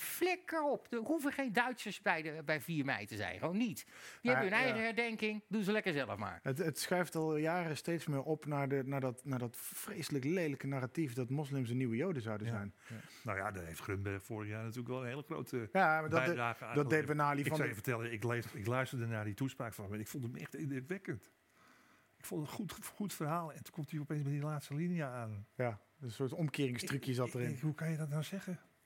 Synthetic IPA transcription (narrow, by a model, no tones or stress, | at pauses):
flɛkəɹɔpdəɦuvəχejndœɥtsəsbɛjəbɛjviːɹmɛ̰jtəzɛ̰jnχəʋownːitjəɛəənɛjχəɦɛɹdɛŋkɪŋdunzəlɛkəɹzɛlə̰fma̰ːɹətətsχrɛjftɑlˠjaːrəstejtsmɪːɹʔɔpnaːɹnaːɹdɑtnaːɹdɑtfrejsələklejləkənaːratifdɑtmɔslɪms̬əniwəjowdəzɑwdəzɛjn | nowja̰dɔtɦejftχrømbɛrxfoːrəχjaːɹnatyːləkʋɛlˠənheːləxro̰wtəjamadɔaːɣəaːdɔdeʋənaːlifɔsəvətɛlˠəɪkleɪklœɥstərdənaːdituspraːkfɔnmnɪkfulˠdətmɛxtɪdɪtʋɪkənt | ɪkfulˠdəxutxutfərɦaːlˠɛntu̥kɔmtiɔpenzbɛjdilaːtstəlinijəaːnja | əsʊːtɔmkɪːrɪŋstrøkjəsɑttərɪnɦukanjədɔtnawzɛɣə